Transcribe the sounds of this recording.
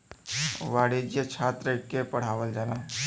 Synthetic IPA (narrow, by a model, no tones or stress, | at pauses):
ʋaːɽed͡ʒjət͡ʃʰaːt̪ɾəkepɐɽ̤aːʋəld͡ʒaːlaː